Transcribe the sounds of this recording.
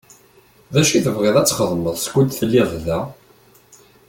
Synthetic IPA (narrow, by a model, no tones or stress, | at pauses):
ðæʃiθəvʁeðˤæt͡sːχəðˤməðˤsɡʷʊd̪θəlːiððæ